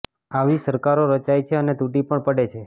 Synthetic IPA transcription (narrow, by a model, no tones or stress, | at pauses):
aʋisəɾkaɾoɾət͡ʃajt͡ʃʰeənet̪uʈipəɳpəɽet͡ʃʰe